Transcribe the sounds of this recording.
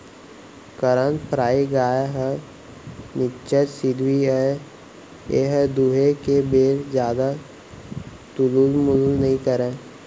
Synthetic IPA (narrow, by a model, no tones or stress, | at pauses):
kəɾənpʰɾaːiɡaːɦə | nɪt͡ʃəsɪd̪ʱwiɛ | eɦəd̪uːɦekebeːɾd͡ʒjaːd̪a | t̪uluːlmʊllnəɦĩkəɾẽː